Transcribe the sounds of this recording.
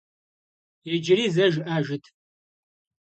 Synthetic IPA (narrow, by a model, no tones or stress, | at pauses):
ɛd͡ʒɪɾiːzɐʒʔaːʒɪtʰ